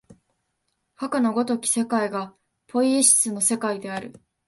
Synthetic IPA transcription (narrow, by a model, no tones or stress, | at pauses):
hakanoɡo̞t̪o̞kʲi̥se̞kaiɡa | pʰo̞ieɕi̥sɨno̞se̞kaid̪e̞aɾɯ̟̰